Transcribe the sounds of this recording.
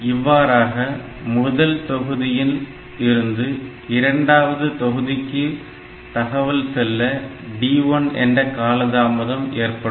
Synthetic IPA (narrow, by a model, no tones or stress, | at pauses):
ɪʋːaːɾaːɣɐ | mʊðɐlt̪ɔɣɯðɪjɪl | ɪɾɯnd̪ɯ | ɪɾɐɳɖaːʋɐðɯt̪ɔɣɯðɪkːɯ | t̪ɐɣɐʋɐlsɛlːɐ | ɖiːɔnɛ̰ndrɐkaːlɐðaːmɐðɐmeːrpɐɽɯ